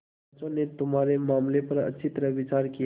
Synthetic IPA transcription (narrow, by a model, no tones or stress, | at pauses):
t͡ʃõnet̪ʊmaːɾemaːmlepəɾə̰tːʃʰit̪əɾəʋɪt͡ʃaːɾki